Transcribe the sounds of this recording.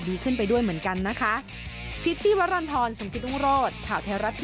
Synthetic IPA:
diː˧kʰɯ˥˩np̬a˧jdu˥˩əjmɯ˩˦ənka˧nːa˦˥kʰa˦˥ʔ | pʰi˦˥t̪̚t͡ɕʰiː˥˩wa˦˥ɾaː˧nt̪ʰɔː˧nso˨˩˦mkʰi˦˥t̪ʔu˥˩ŋɾoː˥˩t̪̚kʰaː˨˩wt̪ʰɛː˧˥wɾa˦˥t̪ʰː

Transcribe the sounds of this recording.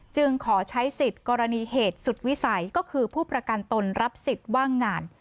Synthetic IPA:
t͡ɕɯ˧ŋkʰɔː˩˦t͡ɕʰa˦˥jsi˨˩t̪̚kɔː˧ɾa˧niː˧ɦeː˨˩t̪̚su˨˩t̪̚wi˦˥sa˩˦jkɔː˥˩kʰɯː˧pʰuː˥˩pɾa˧ka˧nt̪o˧nɾa˦˥p̚si˨˩t̪̚waː˥˩ŋːaː˧n

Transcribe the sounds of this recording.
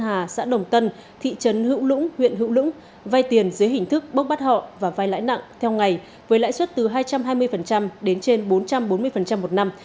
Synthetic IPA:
ɦaː˨˩sa̰ː˧˥ɗə˨˩wŋ͡mt̪ə˧n | t̪ʰḭ˧˨t͡ɕə˨˦nhɨ̰˧˥wlʊ̰˧˥ŋ͡mhwḭ˧˨ənɦɨ̰˧˥wlʊ̰˧˥ŋ͡m | vaː˧jt̪i˨˩ənzɨ˨˦əjɦï˨˩ŋ̟t̪ʰɨ˦˥k̚ɓə˦˥k͡p̚ɓaː˦˥t̚hɔ̰˧˨vaː˨˩vaː˧jla̰ː˧˥jna̰˧˨ŋt̪ʰɛ˧wŋa˨˩j | vəː˨˦jla̰ː˧˥jswə˦˥t̚t̪ɨ˨˩ɦaː˧jt͡ɕa˧mɦaː˧jmɨ˧əjfə˨˩nt͡ɕa˧mɗe˨˦nt͡ɕe˧nɓo˨˦nt͡ɕa˧mɓo˨˦nmɨ˧əjfə˨˩nt͡ɕa˧mːo˨˩t̚na˧m

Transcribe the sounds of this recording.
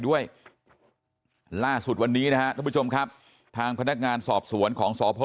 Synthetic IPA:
du˥˩əj | laː˥˩su˨˩t̪̚wa˧nːiː˦˥na˦˥ka˦˥ʔ̪ʰa˥˩pu˥t͡ɕʰo˧mkʰa˦˥p̚ | t̪ʰaː˧ŋpʰa˧na˦˥k̚ŋaː˧nsɔː˨˩p̚su˩˦ənkʰɔː˩˦ŋsɔː˩˦pʰo˧˥

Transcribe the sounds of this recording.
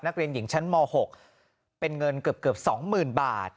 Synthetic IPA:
na˦˥k̚ɾi˧ənji˩˦ŋt͡ɕʰa˦˥nmɔː˧ho˨˩k̚ | pe˧nŋɤ˧nkɯ˨˩əp̚kɯ˨˩əp̚sɔː˩˦ŋmɯː˨˩nbaː˨˩t̪̚

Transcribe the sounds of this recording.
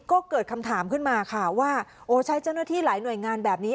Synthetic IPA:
kɔː˥˩kɤː˨˩t̪̚kʰa˧mt̪ʰaː˩˦mkʰɯ˥˩nmaː˧kʰa˥˩waː˥˩ʔoː˨˩t͡ɕʰa˦˥jt͡ɕa˥˩wnaː˥˩t̪ʰiː˥˩laː˩˦jnu˨˩əjŋaː˧nbɛː˨˩p̚niː˦˥

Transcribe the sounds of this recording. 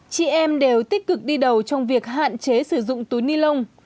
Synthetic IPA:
t͡ɕḭ˧˩ʔɛ˧mɗe˨˩wt̪i˦˥k̚kɨ˨˩k̚ɗi˧ɗə˨˩wt͡ɕɔ˧wŋ͡mvi˨˩ək̚ɦa̰ː˧˨nt͡ɕe˨˦sɨ˧˩zʊ̰˧˨ŋ͡mt̪u˨˦jni˧lə˧wŋ͡m

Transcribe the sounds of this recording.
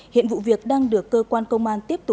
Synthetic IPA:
hḭ˧˨ənvṵ˧˨vi˨˩ək̚ɗaː˧ŋɗɨ˨˩əkːəː˧kwaː˧nkə˧wŋ͡mʔaː˧nt̪i˦˥əp̚t̪ʊ˨˩

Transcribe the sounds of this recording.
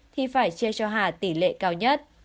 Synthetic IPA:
t̪ʰi˨˩faː˧˩jt͡ɕi˧ət͡ɕɔ˧ɦaː˨˩t̪i˧˩lḛ˧˨kaː˧wɲə˦˥t̚

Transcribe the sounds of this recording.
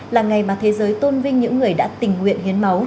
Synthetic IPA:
laː˨˩ŋa˨˩jmaː˨˩t̪ʰe˨˦zəː˨˦jt̪o˧nvï˧ŋ̟ɲɨ̰˧˥ŋːɨ˨˩əjɗa̰ː˧˥t̪ï˨˩ŋ̟ŋwḭ˧˨ənhi˨˦ənmə˨˦w

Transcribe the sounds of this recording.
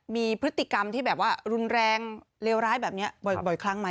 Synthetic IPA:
miː˧pʰɾɯ˦˥t̪ːi˨˩ka˧mt̪ʰiː˥˩bɛː˨˩p̚waː˥˩ɾu˧nɾɛː˧ŋ | leː˧wɾaː˦˥jbɛː˨˩p̚ni˦˥ɐbɔ˨˩bɔ˨˩jkʰla˦˥ŋma˦˥

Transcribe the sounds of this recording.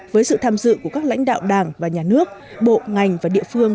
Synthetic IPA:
vəː˨˦jsɨ̰˧˨t̪ʰaː˧mzɨ̰˧˨ku˧˩əkaː˦˥k̚la̰˧˥jŋ̟ɗa̰ː˧˨wɗaː˨˩ŋvaː˨˩ɲaː˨˩nɨ˦˥ək̚ | ɓo̰˧˨ŋa˨˩jŋ̟vaː˨˩ɗḭ˧əfɨ˧əŋ

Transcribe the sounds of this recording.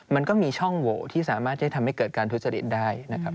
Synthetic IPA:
ma˧nkɔː˥˩miː˧t͡ɕʰɔ˥˩ŋwoː˨˩t̪ʰiː˥˩saː˩˦maː˥˩a˥˩jt̪ʰa˧mha˥˩jkɤː˨˩t̪̚kaː˧nt̪ʰu˦˥t͡ɕa˧lḭ˦˩t̪̚daː˥˩jna˦˥kʰa˦˥p̚

